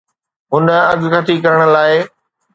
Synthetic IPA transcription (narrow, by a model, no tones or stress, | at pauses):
ɦʊnəɐɠkɐt̪ikɐɾəɽ̃ə̆laːɪ